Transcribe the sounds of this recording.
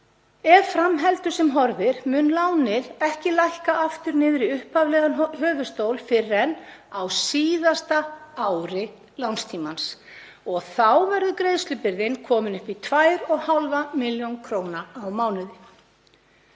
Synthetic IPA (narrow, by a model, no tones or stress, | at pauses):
ɛvfɾamɦɛlt̪ʏsɛmɦɔɾðɪɾ̥mʏnlaːwnɪɾɛhcɪlajhkaʔaft̪ʏɾnɪːðɾɪʏhpavlɛɣanɦœːvʏst̪owlfɪrɛnːawsiːðast̪aawɾɪ | lawnst̪ʰiːmans | ɔɣθawvɛɾðʏkɾejðst̪lʏpɪɾðɪnkʰɔːmɪnʏhpit̪ʰvajɾɔɣhalvamɪljownkʰɾoːwnaːwmaːwnʏðɪ